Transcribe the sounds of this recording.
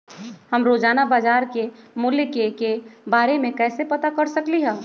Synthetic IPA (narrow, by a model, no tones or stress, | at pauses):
həmɾoːd͡ʒaːnabaːd͡ʒaːɾkemʊljkekebaːɾemẽkɛːsepɐt̪akɐɾsəkliɦɛ̃ː